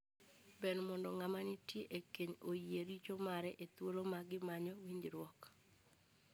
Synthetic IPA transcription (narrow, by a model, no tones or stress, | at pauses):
benmɔndɔŋamanitjeʔekeɲojieɾit͡ʃomaɾɛʔet̪wolomaɡɪmaɲɔwiɲd͡ʒɾwɔk